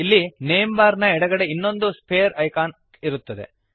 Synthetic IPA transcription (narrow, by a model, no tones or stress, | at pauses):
ilːineːmbaːɾnɐɛɽɐɡɐɽe̞inːo̞nd̪uspʰeːɾɐjkaːn | iɾut̪ːɐd̪e̞̰